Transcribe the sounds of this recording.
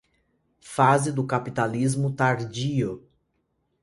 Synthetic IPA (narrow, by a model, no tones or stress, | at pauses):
fazɪd̪ʊkapit̪alizmʊt̪aɾd͡ʒiʊ